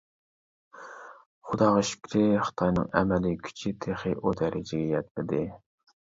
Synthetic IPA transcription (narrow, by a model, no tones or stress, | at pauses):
χʊd̪ɑːʁɑʃy̥kʲɾɪχə̥t̪ʰɑjnɨ̰ŋɛ̰mɛlikʲʰy̥t͡ʃʰit̪ʰeχɨʔod̪ɛɾɪd͡ʒɪɡʲɛjɛt̪lɪd̪ɪ